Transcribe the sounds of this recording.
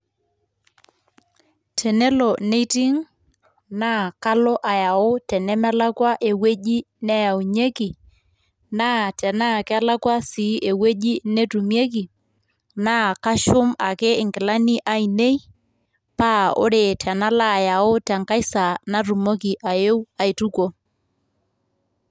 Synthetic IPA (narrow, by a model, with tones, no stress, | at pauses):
tʰɛ˨nɛ˦lɔ˨ne˦ti˦ŋ | na˦ka˦lɔ˦ʔa˨ja˨o˦tɛ˨nɛ˦mɛ˦la˦kwa˦ʔe˨we˦ʄi˦ | nɛ˦ja˨u˨ɲe˦ki˨ | na˦tɛ˨na˦˨kɛ˦a˦la˦kwa˦si˨˦ʔe˨we˦ʄi˦ne˦tu˨mje˦k̬i˨ | na˦ka˦ʃʊ˦ma˨ke˦ɪ˨ŋkɪ˨la˦ni˦ʔa˨i˨ne˦j | pa˦o̰˦ɾe˨tʰɛ˨na˦la˦˨ja˨o˦tɛ˨ŋka˦jsa˨na˦tu˨mo˦ki˨ʔa˨je˦wa˨i˨tu˦ko˦